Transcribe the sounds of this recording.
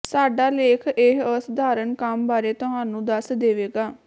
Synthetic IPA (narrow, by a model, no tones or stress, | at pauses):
saːɖaːleːkʰɪɦəsd̪aːɾənkəmbaːɾeːt̪ʊɦãːnũːd̪əsd̪eːʋeːɡaː